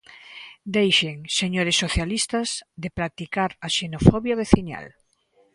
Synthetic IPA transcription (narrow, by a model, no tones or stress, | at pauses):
d̪ejʃeŋseɲoɾesːoθjalist̪ɐzðepɾak̚t̪ikaɾaʃenofɔβjaβ̞eθiɲa̰l